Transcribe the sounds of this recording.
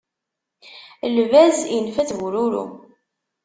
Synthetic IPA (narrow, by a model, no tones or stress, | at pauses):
lvæzjənfæt͡svuɾuɾṵ